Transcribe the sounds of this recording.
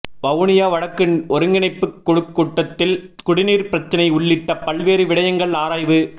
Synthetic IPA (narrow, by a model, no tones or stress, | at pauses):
ʋɐʋnɪjaːʋɐɽɐkːɯnɔɾɯŋɡɪnɐɪpːɯkːɔɽɯkːuːʈːɐt̪ːɪlkʊɽɪniːɾpɪɾɐt͡ʃːɐnɐɪʊɭːɪʈːɐpɐlʋeːɾɯʋɪɽɐjɐŋɡɐɭaːɾaːjʋɯ